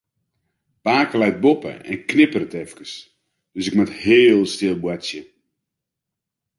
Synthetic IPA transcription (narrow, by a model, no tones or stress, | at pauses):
paːkəlɛjt̚bopə̰ɛ̰nknɪpərətɛfkəs | d̥øsɪkmathɪːlˠstɪlˠbwatsjə